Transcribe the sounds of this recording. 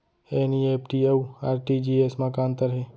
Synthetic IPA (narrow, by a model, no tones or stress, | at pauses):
eːnieːpʈieuaːɾʈid͡ʒiːeːsmãkãːnt̪əɾɦeː